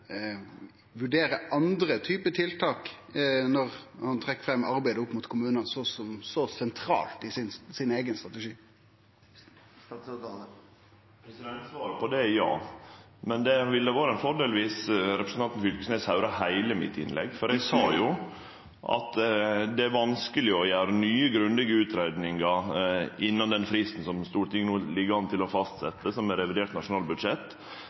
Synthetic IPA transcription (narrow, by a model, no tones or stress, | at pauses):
ʋʉɖeːɾəʔɑnd̪ɾət̪ʰyːpət̪ʰɪlt̪ʰɑːknɔʁhɑnt̪ʰʁɛkːfʁɛmːʔɑɾbæɪd̪əʊpːmuːt̪kʰʊmʉːnənsɔsɔmsɔsɛnt̪ʰɾɑ̰ːlt̪ɪsɪnsɪneːɡənst̪ʁɑt̪əʂiː | pʰɾɛsɪd̪ɛnt̪sʋɑːɾəpʰɔd̪ɛjɑ̰ː | mɛnd̪ɛʋɪld̪æʋoːɾəɛnfɔɖeːlʋiːsɾɛpɾəsən̩ɑnt̪n̩fʏlkəsneːsɑʉɾɑhæɪləmɪ̰t̪ːɪ̰nlɛ̰ɡfɔɾɛɡsɑːjʊ | ʔɑ̰t̪d̪ɛæɾʋɑnskəlɪɔjæːɾənyːəɡɾʉnlɛɡəʉːt̪ɾæɪd̪nɪŋɑʔɪnːɑnd̪ɛnfɾɪst̪n̩sɔmst̪uːɾʈ̪ʰɪŋːənuːlɪɡːəɑnt̪ʰɪlɔfɑst̪sɛt̪ːəsɔmæɾɛʋɪd̪eːʈnɑʂʊnɑːlbʉd̪ʂɛt̪ː